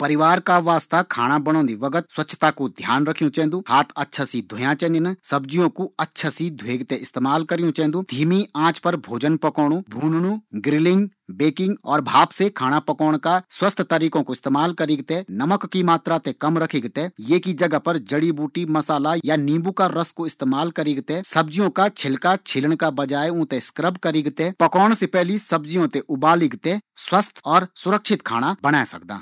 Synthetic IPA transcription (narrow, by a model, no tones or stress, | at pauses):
pɐɾɪʋaːɾkaʋaːst̪akʰa̰ːɽ̃abɐɽ̃õːnd̪iʋɐɡət̪swɐtːt͡ʃʰʃʰt̪akod̪ʱjaːnɾɐkʰijũt͡ʃɛ̃ːnd̪uːhaːt̪ʰɐtːʃʰasid̪ʱʊjãt͡ʃɛ̃ːnd̪nəsɐbd͡ʒijõkuɐtːʃʰasid̪ʱweːɡt̪eɪst̪eːmaːlkɐɾijũt͡ʃɛ̃ːnd̪uːd̪ʱiːmiãːt͡ʃpɐɾbʱoːd͡ʒənpɐkɔːɽ̃ũbʱuːnɽ̃ũɡɾɪlɪ̃ŋɡbeːkɪ̃ŋɡɔːɾbʱaːbsekʰaːɽ̃apɐkɔːɽ̃kaswəst̪ʰt̪əɾiːkõkoɪst̪eːmaːlkɐɾiːɡt̪enɐməkːimaːt̪ɾat̪ekɐmɾəkʰeːɡt̪ejeːkid͡ʒɐɡapɐɾd͡ʒəɽibuːʈimɐsaːlajanĩːbukaɾəskoɪst̪eːmaːlkɐɾiːɡt̪esɐbd͡ʒijõkat͡ʃʰɪlkat͡ʃʰɪləɳ̃kabɐd͡ʒaːeũːt̪eskɾəbkɐɾiːɡt̪epɐkɔːɽ̃sepɛɦlisɐbd͡ʒijõt̪eʔʊbaːlɪɡt̪eswəst̪ʰɔːɾsʊɾəkʃʰɪt̪kʰa̰ːɽ̃abəɽ̃aːsɐ̰kd̪a̰ː